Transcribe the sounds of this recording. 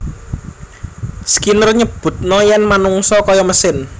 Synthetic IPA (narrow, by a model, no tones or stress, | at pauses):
sə̥kinərɲəb̥ʊ̤t̪̚nɔjɛnmanuŋsɔkɔjɔməsɪn